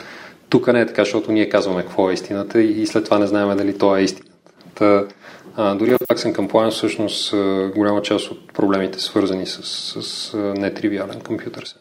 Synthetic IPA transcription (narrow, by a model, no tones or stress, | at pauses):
t̪ukənɛːt̪ɐ̥kaʃt̪ɔt̪ʊniɛkazvɐmɛkvɔɛist̪inət̪əiːslɛt̪ːovanɛznaɛmɛd̪ɐlit̪ɔɛist̪i̥nət̪ə̥t̪ə | d̪ʊɾiot̪aksɛnkɐmpoaɛnfsɤʃnost̪əɡolʲamət͡ʃast̪ot̪̚pɾoblɛmit̪ɛ̥svɤɾzɐnisə̥sːəsnɛt̪ɾivialɛnkompjut̪əɾsɛ̥